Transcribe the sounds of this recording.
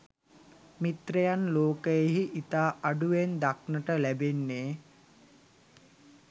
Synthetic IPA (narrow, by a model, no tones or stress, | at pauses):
mit̪rejanloːkəjeɦiʔit̪aːʔaɖuʋend̪aknəʈəlæbenːeː